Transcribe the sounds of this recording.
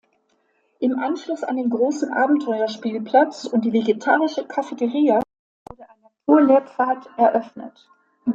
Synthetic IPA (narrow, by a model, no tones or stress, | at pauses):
ʔɪmʔanʃlʊsa̰ndeːnɡʁoːsn̩ʔa̰ːbm̩tʰɔʏɐʃpiːlpʰl̥at͡sʊnt̚d̥iːveɡetʰaːʁɪʃəkʰafɛtəʁiːa | vʊɐdəʔaɪnɐfʰuːɐleːɐfaːtʔɛɐʔœfnə̰t